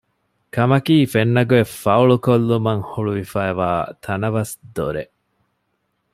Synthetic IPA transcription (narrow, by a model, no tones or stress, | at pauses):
kɐmɐkiːfenːɐɡuefɐuɭukolːumɐŋhuɭuʋifæːeʋaːt̪ʰɐnɐʋɐsd̪oɾe